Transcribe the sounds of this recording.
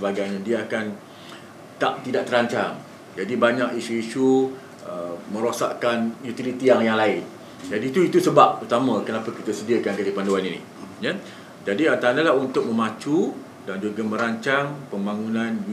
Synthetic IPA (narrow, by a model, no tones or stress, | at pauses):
əbaɡajɲadiaakan | t̪aʔt̪idaʔt̪əɾaɲt͡ʃaŋ | d͡ʒadibaɲakisuiʃu | əmə̃ɾosa̰ʔkanjut̪ilit̪ijaŋjaŋlaɪn | d͡ʒadit̪uit̪usəbap̚ut̪amãkənãpakit̪asədiakankadipanduaninḭ | ja | d͡ʒadiant̪andalahunt̪ʊk̚mə̃mat͡ʃu | dand͡ʒuɡəmə̃ɾaɲt͡ʃaŋpəmbaŋunãnju